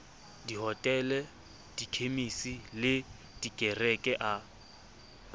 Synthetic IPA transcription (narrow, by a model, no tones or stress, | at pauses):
diɦɔtʼɛlɛ | d̥ikʰemisilɪ | d̥ikʼɛrɛkʼɛʔa